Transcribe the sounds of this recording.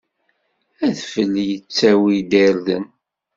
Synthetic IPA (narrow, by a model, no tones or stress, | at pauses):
æðfəlːjət͡sːæwid̪eɾðə̰n